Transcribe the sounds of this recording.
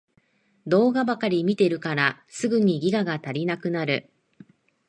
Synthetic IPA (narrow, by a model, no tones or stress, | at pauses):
d̪o̞ːɡabakaɾʲimʲit̪e̞ɾɯ̟kaɾa | sɨɡɯ̟ɲ̟iɡʲiɡaɡat̪aɾʲinakɯ̟naɾɯ̟̰